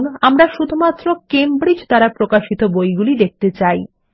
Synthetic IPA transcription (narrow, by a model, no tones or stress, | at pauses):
namɾaʃud̪ʱumat̪ːɾokembɾid͡ʑt̪aɾapɾokaʃit̪obojɡulid̪ek̚t̪et͡ɕaj